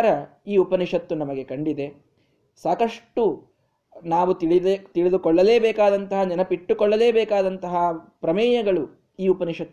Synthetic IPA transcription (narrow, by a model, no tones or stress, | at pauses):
ɾɐ | iːupɐniʂɐt̪ːunɐmɐɡe̞kɐɳɖid̪e̞ | saːkɐʂʈːu | naːʋuiit̪iɭid̪ukɔɭːɐleːbɛːkaːd̪ɐnt̪ɐɦɐd͡ʒɐnɐpiʈːukɔɭːɐleːbɛːkaːd̪ɐnt̪ɐɦɐpɾɐmɛːjɐɡɐɭu | iːupɐniʂɐt̪ː